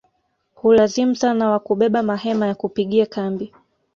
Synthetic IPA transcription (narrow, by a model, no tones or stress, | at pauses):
hulazim̩sanawakuɓɛɓamahɛmajakupiɠiakambi